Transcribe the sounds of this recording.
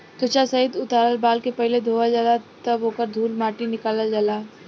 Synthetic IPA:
t̪ʊt͡ʃasɐɦɪd̪ʊt̪aːɾəlbaːlkepɐɦɪled̪ʱoːʋad͡ʒaːlat̪ɐbɦoːkəɾd̪ʱuːlmaːʈinɪkaːlad͡ʒaːlaː

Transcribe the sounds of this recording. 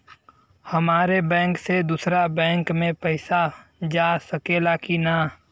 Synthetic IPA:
hɐmaːɾebɛ̃ːŋksed̪uːsɾabɛ̃ːŋkmẽpɛɪsad͡ʒaːsəkeːlakina

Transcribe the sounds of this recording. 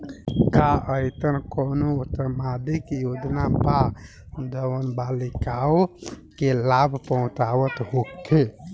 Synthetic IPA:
kaʔəjt̪ənkoːnout̪əmad̪ikjod͡ʒnapa | d̪əwənbalikao | kelabʱpəɦʊ̃t͡ʃaʋət̪ɦokʰe

